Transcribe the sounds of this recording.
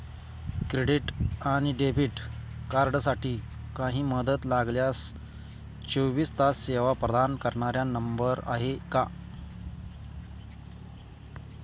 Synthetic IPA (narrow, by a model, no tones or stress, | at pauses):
kɾeɽiʈaɽ̃iɖebʱiʈ | kaɾɖsaʈiː | kãɦiːməd̪ət̪laɡljas | t͡ɕoʋiːst̪asːeʋapɾəd̪ankəɾɳaɾjanəmbəɾa̰ɦeka